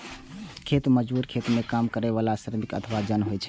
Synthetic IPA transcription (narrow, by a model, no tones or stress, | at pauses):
kʰet̪məd͡ʒbuɾkʰet̪mekamkəɾeʋalasəɾəmikə̰t̪ʰəʋad͡ʒənɦojt͡ʃʰɛ̥